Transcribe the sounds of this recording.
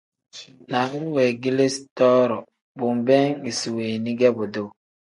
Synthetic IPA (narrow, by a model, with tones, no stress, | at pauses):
na˨ɡu˦ɾwe˨ɡi˦le˦stɔ˦ɾɔ˨ | bʊ˨m̩˨bɛ˦ŋi˨si˨we˨ni˦ɡɛ˦bʊ˨do˦˨